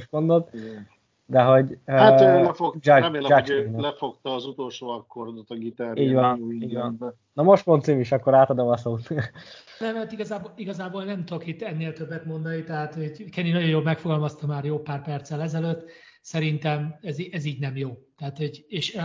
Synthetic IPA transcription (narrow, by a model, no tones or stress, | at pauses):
ʃmond̪ot̪ | d̪ɛɦo̞ɟøalɛfokd͡ʒɾɛmeːld͡ʒɛinlɛfokt̪ɒːzut̪o̞lʃoːɒkːord̪ot̪ɒɡit̪aːɾiːɟvɒniːvɒn | nɒmoʃt̪mont̪siːmiʃɒkːoɾaːt̪ɒd̪omɒsoːt̪ | nɛmɛt̪iɡɒzaːboliɡɒzaːbolnɛmt̪okit̪ːɛnːeːlt̪øbːɛt̪mo̞nd̪ɒnit̪ɛɦaːt̪oɟkɛninɒɟo̞joːlmɛkfo̞ɡɒlmɒst̪ɒmaːrjoːpaːrpɛrt̪sɛlɛzɛløt̪ːsɛɾint̪ɛmɛziʔɛziːɟnɛmjoːt̪ɛaːt̪oɟeːʃ